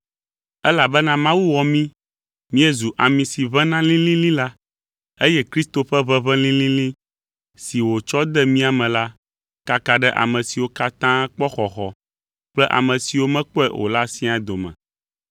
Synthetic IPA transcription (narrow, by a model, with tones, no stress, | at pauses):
ɛ˦la˨bɛ˦nã˦mã˦wu˦wɔ˨mĩ˦ | mĩ˦ɛ˦zu˨ʔa˨mĩ˨si˨vɛ̃˦nã˦lĩ˦lĩ˦lĩ˦la˦ | e˦jɛ˦kɾi˦st̪o˨ɸɛ˦βɛ˦βɛ̃˦lĩ˦lĩ˦lĩ˦ | si˨wo˨t͡ʃɔ˦d̪ɛ˦mĩ˦a˨mɛ̃˨la˦ | ka˦ka˨ɖɛ˦ʔa̰˨mɛ̃˨si˨wo˦ka˦t̪ã˦k͡pɔ˦xɔ˨xɔ˨ | k͡plɛ˦ʔa̰˨mɛ̃˨si˨wo˦mɛ̃˦k͡pɛ̰˦wo̰˨la˦sĩ˦a˨d̪o˨mɛ̰̃˨